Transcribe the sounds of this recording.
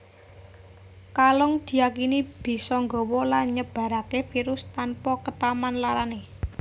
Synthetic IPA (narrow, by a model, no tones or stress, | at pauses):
kalɔŋd̪̥i̤jakinib̥i̤sɔŋɡɔwɔlaɲəb̥a̤ɾakefiɾʊst̪anpɔkət̪amanlaɾane